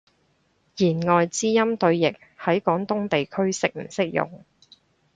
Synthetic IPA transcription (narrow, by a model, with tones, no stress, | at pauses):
jiː˨˩nŋɔː˨jt͡siː˥jɐ˥mt̪ɵ˧ɥjɪ˨k̚hɐ˨˥jkɔː˨˥ŋt̪ʊ˥ŋt̪e˨jkʰɵ˥ɥsɪ˨˥k̚m̩˨˩sɪ˥k̚jʊ̰˨ŋ